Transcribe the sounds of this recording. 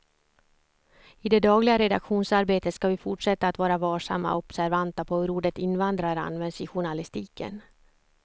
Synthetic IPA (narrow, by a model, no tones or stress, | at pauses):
ɪd̪ɛd̪ɑːɡlɪɡaɾɛd̪a̰kɧuːnsaɾbeːt̪ət̪skavɪfʊʈʂɛt̪ːaːt̪vɑːɾavɑːʂa̰mːa̰ʔɔb̥sæɾvant̪apʰɔhɵɾuːɖət̪ɪnvand̪ɾaɾa̰nvɛnd̪sɪɧʊɳalɪst̪iːkə̰n